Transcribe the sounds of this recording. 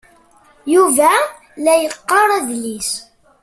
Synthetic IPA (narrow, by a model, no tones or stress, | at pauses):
juvæ | læjəqːɑɾˤæðlis